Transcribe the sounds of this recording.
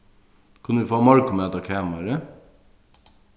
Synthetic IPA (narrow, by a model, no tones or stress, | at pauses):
kʰʉnəʋɪːfoːmɔɾkʊmɛːt̪ɑkʰeːmɑɾə